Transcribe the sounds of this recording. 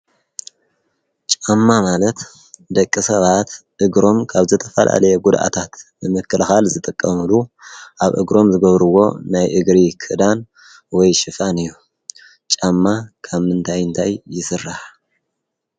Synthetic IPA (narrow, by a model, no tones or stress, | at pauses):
t͡ʃʼamːamalɐt̪ | d̪ɐkʼːisɐβat̪ʔɨɡɾo̞mkʰaβzɨt̪ʰɐfɐlʔa̰lɐjɛɡud̪ʔa̰t̪ʰat̪bɨmɨkːɨlxalzɨt̪ʼɨkʼːɐmɨluʔaβʔɨ̰ɡɾo̞mzɨɡɐβɾɨwo̞̰najʔɨɡɾikʰɨd̪an | wɔjʃɨfanɨjːu | t͡ʃʼamːakʰaβmɨnt̪ʰajɨnt̪ʰajːɪsɨrːah